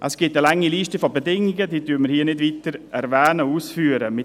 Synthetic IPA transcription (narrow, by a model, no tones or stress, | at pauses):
ʔəsɡ̥ɪtəlaŋːiliːʃtəfɔbedɪŋːɪɡədiːdyːməɾhiːənɪdviːtəɾɛɾvɛːnəuːsfyːəɾəmɪ